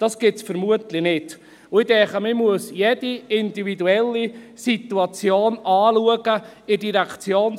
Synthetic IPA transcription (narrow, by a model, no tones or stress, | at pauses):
d̥ɑsɡ̥ɪtsfəɾmuətlɪnɪt | ʊɪdɛχəmɪmuəsjɛd̥iɪndividuɛlːisit̪uɑt͡sjoːnɑːluəɡəɪdiɾækt͡sjoːn